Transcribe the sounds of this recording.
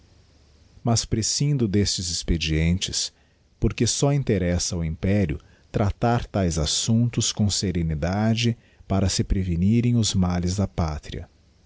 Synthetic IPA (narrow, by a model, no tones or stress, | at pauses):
mɐspɾesĩnd̪ʊd̪est͡ʃɪzɪsped͡ʒiẽnt͡ʃɪs | poɾkesɔĩnt̪eɾɛsɐʊĩpɛɾiʊ̰ | t̪ɾat̪aɾt̪ajzasũnt̪ʊskõw̃seɾenid̪ad͡ʒɪ | paɾɐsɪpɾeveniɾẽj̃ʊzmalɪzd̪ɐpat̪ɾiɐ̰